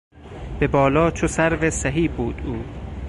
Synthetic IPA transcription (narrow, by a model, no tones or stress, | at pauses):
b̥ebɒːlɒːt͡ʃʰosæɾvesæɦiːbuːd̪uː